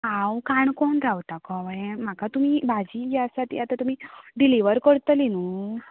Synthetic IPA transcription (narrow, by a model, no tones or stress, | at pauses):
ɦawkaɳkɔɳɾawt̪akɔʋajem̤akat̪um̤ibʱad͡ʑijasat̪j̰at̪at̪um̤iɖiliʋəɾkəɾt̪əlinu